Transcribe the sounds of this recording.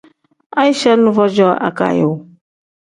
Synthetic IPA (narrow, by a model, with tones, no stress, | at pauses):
a˦i˦ʃɛ˦nũ˦vɔ˦d͡ʒɔ˦a̰˨ka̰˨je˨wo˨